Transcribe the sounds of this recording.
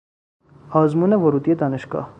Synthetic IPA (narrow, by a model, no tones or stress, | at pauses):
ɑzmunɛvɔɾut̪iɛt̪ɑnɛʃkɑ̰